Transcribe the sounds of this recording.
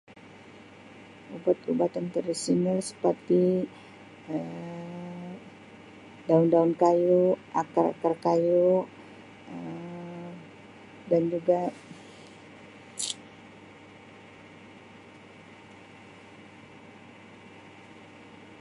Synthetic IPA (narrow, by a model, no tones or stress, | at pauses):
ubat̪ubat̪ant̪ərdisinəlsə̥pərt̪i | ə | daundaunkajuakara̰karkaju | ə | dand͡ʒuɡa